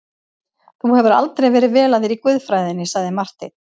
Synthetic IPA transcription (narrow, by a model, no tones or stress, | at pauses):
θuhɛvʏɾa̰lt̪ɾejvɛːɾɪðvɛːlaðɪɾikvʏðfɾaːjðɪnːɪsaɣðɪmar̥t̪ɪ̰